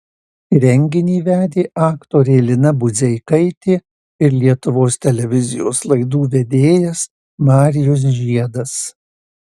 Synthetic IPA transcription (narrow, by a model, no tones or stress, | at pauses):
ɾʲɛŋʲɡʲɪnʲiːʋʲæːd̪ʲeːʔɑːkt̪oːɾʲeːlʲɪnɐbʊzʲɛɪkɐɪt̪ʲeː | ɪɾlʲiɛt̪ʊʋoːst̪ʲɛlʲɛʋʲɪzʲɪjo̰ːslˠɐɪd̪uːʋʲɛd̪ʲeːjɛs | mɑːɾʲɪjos̬ʒʲiɛd̪ɐs